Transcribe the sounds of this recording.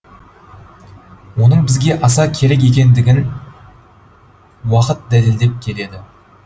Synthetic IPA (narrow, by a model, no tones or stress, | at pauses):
wo̞nəɴbɪzɡʲe̞ʔɑsɑkʲʰe̞ɾe̞k̬ʲe̞kʲe̞nd̪ɪɡʲɪn | wɑqət̪̚d̪æleld̪e̞p̚kʲʰe̞le̞d̪ɪ